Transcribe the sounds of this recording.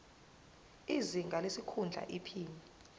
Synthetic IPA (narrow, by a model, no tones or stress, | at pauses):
iziŋɡʱalesikʰund͡ɮʱa̰ʔipʰiːnɛ